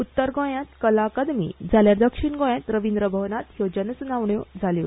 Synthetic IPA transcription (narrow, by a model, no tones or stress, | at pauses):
ut̪ːəɾɡõjãt̪kəlaːkad̪mḭːd͡zʱaljaɾd̪əkʂiɳɡõjãt̪ɾəʋind̪ɾəbʱəʋnat̪jod͡ʑənəsnaʋɳjɔd͡zʱaljo